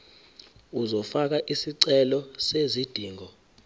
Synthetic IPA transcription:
uzɔfak̬aʔisiǀɛlɔsezid̥ʱiːŋɔ

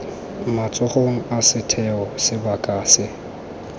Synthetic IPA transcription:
mat͡sʼʊχoŋ̩asɪtʰɛɔsɪbakʼaːsɪ

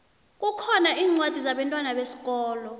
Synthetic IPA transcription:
k̬ʼukʰɔnaʔiːŋ͡ǀwad̥ʱizaɓɛntʼwanaɓesi̥k̬ʼɔːlɔ

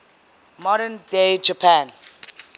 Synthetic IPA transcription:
mɔɾɛnded͡ʒapʰãn

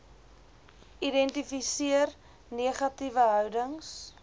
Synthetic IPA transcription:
idɛntifisiər | niəχɐtivəɦœwdəŋs

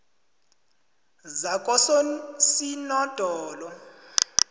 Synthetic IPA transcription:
zakʼɔsɔsinɔd̥ʱɔːlɔ

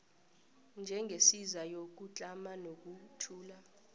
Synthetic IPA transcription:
nd͡ʒʱɛŋɡʱesizajok̬ut͡ɬʼamanok̬ʼutʰuːla

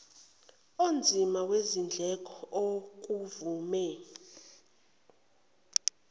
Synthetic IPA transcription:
ond͡zʱimawezind͡ɮʱɛkʼɔok̬ʼuvuːmɛ

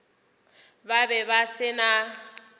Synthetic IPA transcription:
babɛbasɪna

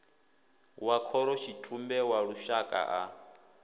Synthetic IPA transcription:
wakʰɔɾɔʃitʰumbɛwaɺuʃakʼa̰ʔa

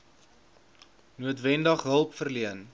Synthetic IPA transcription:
nuətvɛndəχɦəlˠpfərliən

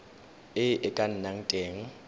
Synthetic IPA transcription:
ɪʔɪkʼan̩naŋ̩tʼeːŋ̩

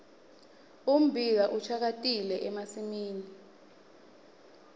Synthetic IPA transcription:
um̩bʱikaʔut͡ʃʰak̬atʼilɛʔɛmasimiːni

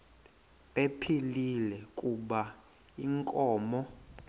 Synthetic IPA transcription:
ɓepʰililɛkʼuɓa | iŋkʼɔːmɔ

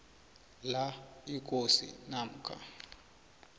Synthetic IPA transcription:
laik̬ʼosḭnam̩kʰa̰

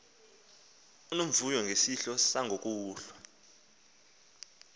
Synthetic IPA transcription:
unom̩vujɔŋɡʱesiɬɔsaŋʱok̬ʼuːɬwa

